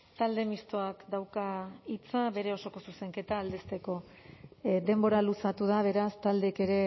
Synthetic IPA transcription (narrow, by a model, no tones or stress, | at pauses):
t̪ald̪e̞mist̪o̞akd̪awkait͡saβe̞ɾe̞o̞so̞ko̞suse̞ŋke̞t̪aːld̪est̪e̞ko̞ | d̪e̞mbo̞ɾalusat̪uð̞aβ̞e̞ɾast̪ald̪eke̞ɾe̞